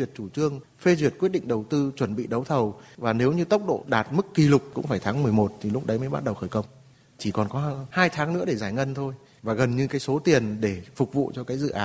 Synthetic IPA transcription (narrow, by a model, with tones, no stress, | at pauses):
wi˨˩ət̚t͡ɕu˧˩t͡ɕɨ˧əŋ | fe˧zwi˨˩ət̚kwi˦˥ət̚ɗḭ˧˨ŋ̟ɗə˨˩wt̪ɨ˧t͡ɕwə˧˩nɓḭ˧˨ɗə˨˦wt̪ʰə˨˩wvaː˨˩ne˨˦wɲɨ˧t̪ə˦˥wk͡p̚ɗo̰˧˨ɗaː˨˩t̚mɨ˦˥kːi˧˩lʊ˨˩k͡p̚kʊ̰˧˥ŋ͡mfaː˧˩jt̪ʰaː˨˦ŋmɨ˨˩əjmo˨˩t̚t̪ʰi˨˩lʊ˦˥k͡p̚ɗə˨˦jmə˨˦jɓa˦˥t̚ɗə˨˩wxəː˧˩jkə˧wŋ͡m | t͡ɕi˧˩kɔ˨˩nkɔ˨˦˧haː˧jt̪ʰaː˨˦ŋnɨ̰˧˥ɗe˧˩zaː˧˩jŋə˧nt̪ʰo˧j | vaː˨˩ɣə˨˩nɲɨ˧kaː˨˦jso˨˦t̪i˨˩ənɗe˧˩fʊ˨˩k͡p̚vṵ˧˨t͡ɕɔ˧kaː˨˦jzɨ̰˧˨ʔaː˨˦